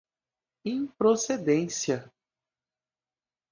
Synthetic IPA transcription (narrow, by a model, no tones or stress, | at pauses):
ĩpɾosed̪ẽsiɐ